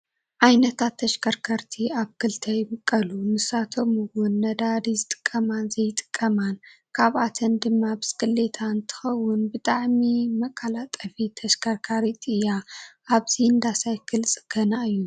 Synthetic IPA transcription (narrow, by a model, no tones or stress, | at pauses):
ʕajnɐt̪ʰat̪ʰːɐʃkʰɐɾkʰɐɾt̪ʰiaβkʰɨlt̪ʰɐjbɨkʼːɐlunɨsat̪ʰo̞mɨwʊnːɐd̪aɾizɨt̪ʼɨ̥kʼːɐmanzɐjt̪ʼɨ̥kʼːɐman | kʰaβʔat̪ʰɐnd̪ɨmːabɨskʼɨlːe̞t̪ʰant̪ʰɨ̥xɐwːʊnbɨt̪ʼaʕmimɐkʼːɐlat̪ʼɐfit̪ʰɐʃkʰɐɾkʰaɾit̪ʼɨjːaʔaβz̥iɨnd̪asajkʰɨlsʼɨ̥ɡ̥ɐnaɨjːu